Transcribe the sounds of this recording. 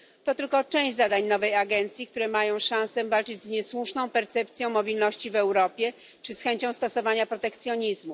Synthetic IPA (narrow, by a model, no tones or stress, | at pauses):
t̪ɔt̪ɘlkɔt͡ʂɛ̃w̃ʑd͡ʑʲzad̪aɲnɔvɛjaɡɛnt̪sʲjikt̪uɾɛmajɔ̃w̃ʂãw̃sɛvalt͡ʂɘd͡ʑzɲɛswuʂnɔ̃w̃pɛɾt̪sɛpt̪sʲjɔ̃w̃mɔbʲilnɔɕt͡ɕivɛwɾɔpʲjɛ | t͡ʂɘsxɛɲt͡ɕɔ̃w̃st̪ɔsɔvaɲapɾɔt̪ɛkt̪sʲjɔɲizmu